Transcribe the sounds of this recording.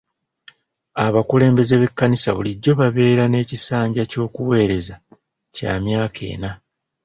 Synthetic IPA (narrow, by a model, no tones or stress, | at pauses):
aβakule̞ːmbe̞ze̞βe̞kːanisaβuliɟːo̞βaβe̞ːɾane̞ːcisaːɲɟaco̞ːkuwe̞ːɾe̞za | ca̰ːmjaːkʰe̞̰ːna